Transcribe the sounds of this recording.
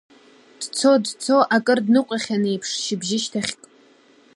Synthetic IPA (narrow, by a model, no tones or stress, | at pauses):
d̥t͡sʰo̞dt͡sʰo̞ʔakʼɨrdnɨqʷʼaχʲanejpʰʂʃɪbʒɪʃtʰaχʲkʼ